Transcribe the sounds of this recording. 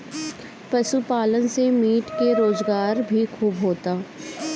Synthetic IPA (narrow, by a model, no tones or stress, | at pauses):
pɐʃupaːlənsemiːʈkeɾoːzɡaːɾbʱikʰuːbɦoːt̪aː